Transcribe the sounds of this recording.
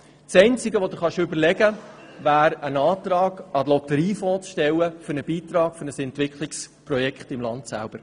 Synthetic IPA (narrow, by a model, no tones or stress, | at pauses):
sɛɪnt͡sɪɡəʋod̪uχɑʃʏbəɾlɛɡə | væːɾənɑːt̪ɾɑːɡ̥ɑlɔt̪əɾiːfɔːt͡sʃtɛwəfʏɾnəb̥iːt̪ɾɑːɡ̥fʏɾnəsɛntʋɪkχlɪksprɔjɛkχt̪ɪmlɑnt̪sæ̰lb̥əɾ